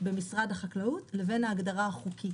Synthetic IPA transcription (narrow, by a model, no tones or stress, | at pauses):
be̞misʁadhaχaklautle̞ve̞naːɡdaʁaaχukʰi